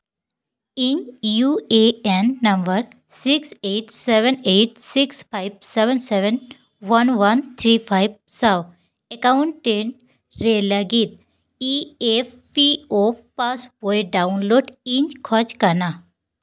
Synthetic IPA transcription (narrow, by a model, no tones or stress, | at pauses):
ĩɲd͡ʑjueenːɐmbəɾ | sikseʈseʋeneʈ̚sikspʰajbseʋɛnseʋen | ʋɐnʋɐnt̪ʰɾiːpʰajb̚saw | ekauɳʈːeɳ | ɾelɐɡit̪̚ | iefːiofpasbojɖaunloɖiɲkʰɔt͡ʃkɐna